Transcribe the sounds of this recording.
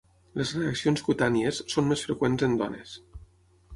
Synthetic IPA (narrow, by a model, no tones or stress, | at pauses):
lezreəksionskut̪aniesːonmesfɾekwenzənd̪ɔ̰nḛs